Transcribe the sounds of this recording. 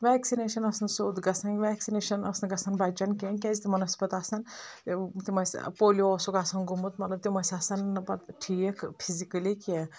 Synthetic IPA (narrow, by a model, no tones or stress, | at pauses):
ʋɛːksineːʃɐnɐsɐnsoːd̪ɡɐsɐnkʲʋɛːksineːʃɐnɐ̰snɡɐsɐnbɐd͡ʒɐnkʲenʲkʲɛzʲt̪imɐnɐsʲpɐt̪aːsɐnt̪t̪imɐsʲpoːlioːsokaːsɐnɡumut̪mɐt̪lɐb̚t̪imɐsʲasɐnːɨbɐd̪ʈʰiːkpʰizikɐlikʲe